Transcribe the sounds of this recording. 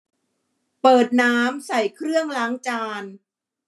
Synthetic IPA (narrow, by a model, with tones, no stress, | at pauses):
pɤː˨˩t̪̚naː˦˥msa˨˩jkʰɾɯ˥˩əŋlaː˦˥ŋt͡ɕaː˧n